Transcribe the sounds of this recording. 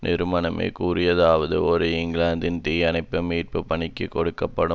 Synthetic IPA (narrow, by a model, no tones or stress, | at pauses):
nʔɪɾɯmɐnɐmḛːkuːɾɪjɐðaːʋɐðɯ̰ɔɾɯɪŋɡlaːnd̪ɪnt̪iːjɐnɐɪpːɯmiːʈ̚pɯpɐɳɪkːɯkːɔɽɯkːɐpːɐɽɯ